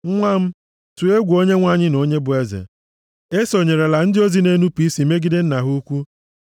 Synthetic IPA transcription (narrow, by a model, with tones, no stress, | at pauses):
ŋʷa˦m̩˦ | tu˨e˦ɡʷo˦ɲe˦ŋʷa˦˨ɲɪ˦no˨˦ɲe˦bʊ˨e˦zḛ˨ | e˦so˨ɲe˨ɾe˨la˨n̩˦dɪ˦o˦zi˦ne˦nu˦pi˦si˨˦me˦ɡi˦de˦n̩˦na˨ɦu˦kʷu˦